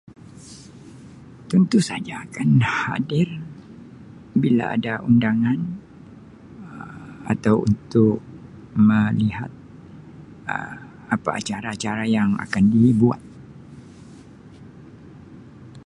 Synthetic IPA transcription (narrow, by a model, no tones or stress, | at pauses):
t̪unt̪usad͡ʒaːkanha̰dɪr | bila̰a̰daundaŋan | a̰t̪awṵnt̪ʊk̚ | mə̃lihat̪̚ | ə̰ | apa̰a̰t͡ʃaɾaːt͡ʃaɾajaŋa̰kandibua̰t̪̚